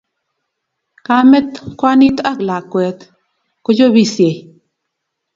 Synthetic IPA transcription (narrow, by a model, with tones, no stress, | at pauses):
ka˦mɛ˦t̪kwa˦ni˦t̪a˦˨kla˨kwɛ˨t̪ | ko˦d͡ʒo˦bi˦˨sje˨